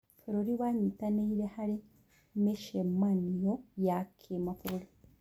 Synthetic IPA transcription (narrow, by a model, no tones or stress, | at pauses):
fuɾoɾiwaɲitaneiɾehaɾi | meʃemanijojakʰemafuɾoɾi